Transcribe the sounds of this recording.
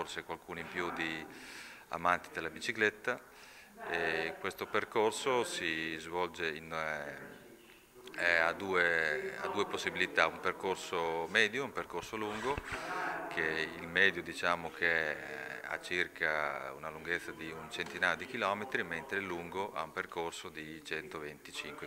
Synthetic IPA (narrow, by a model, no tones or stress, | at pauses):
orsekwalkuːnoimpjud̪i | a̰mant̪id̪elːabit͡ʃiklet̪ːa | ekwest̪operkorsosizvɔld͡ʒein | ɛad̪uːea̰d̪ːuːeposːibilit̪aumperkorsomɛːd̪joumperkorsoluŋɡo | kʰeilmɛːd̪jod̪it͡ʃaːmokʰeɛa̰t͡ʃirkʰaṵnaluŋɡet̪sːad̪iunt͡ʃent̪inaːjod̪ikilɔːmet̪ɾiment̪ɾeluŋɡoʔa̰umperkorsod̪it͡ʃɛnt̪ovent̪it͡ʃiŋkwe